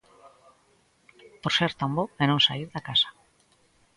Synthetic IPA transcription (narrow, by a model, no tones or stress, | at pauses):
poɾseɾt̪amboenõŋsa̰iɾðakasḁ